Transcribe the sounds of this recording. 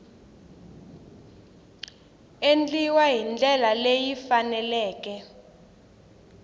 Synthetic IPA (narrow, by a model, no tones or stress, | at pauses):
end͡ɮʼiwaɦind͡ɮɛlalejifanɛlɛːkɛ